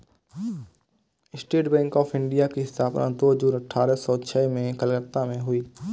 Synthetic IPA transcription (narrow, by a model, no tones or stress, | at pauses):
ɪsʈeːʈbɛ̃ːŋkɔːpʰɪ̃ɳɖijakiɦɪsaːpɾã̰ːd̪oːɦd͡ʒuːɾəʈʰːaːɾəsɔːt͡ʃʰɛːmẽkəlɡət̪ːamẽɦʊiː